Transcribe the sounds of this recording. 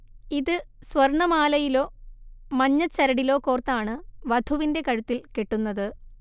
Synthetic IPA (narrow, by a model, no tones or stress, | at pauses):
iðɨsʋɐrɳɐmaːlɐjilo̞ːmɐɲːɐt͡ɕːɐɾɐɽilo̞ːkoːrt̪ːaːɳɨʋɐd̪ʱuʋinde̞kɐɻut̪ːilkeʈːunːɐðɨ